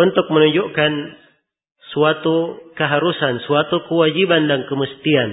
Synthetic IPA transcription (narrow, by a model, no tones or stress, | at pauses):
unt̪ʊk̚mənuɲd͡ʒuʔkan | suat̪ukəɦaɾusansuat̪ukəwad͡ʒibandaŋkəməst̪ian